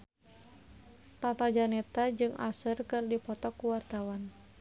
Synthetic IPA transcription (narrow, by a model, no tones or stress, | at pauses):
t̪at̪ad͡ʒanɛt̪ad͡ʒɨŋa̰sərkɨrdipɔt̪ɔkuwart̪awan